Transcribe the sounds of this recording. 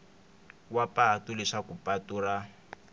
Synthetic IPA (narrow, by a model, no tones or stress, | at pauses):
wapaatulɛʂakupatuːra